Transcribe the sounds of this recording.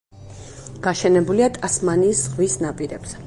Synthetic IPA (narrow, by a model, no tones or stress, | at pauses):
ɡ̥aʃɛnɛbuliat̪ʼasmaniːsʁvisnapʼiɾɛb̥z̥ɛ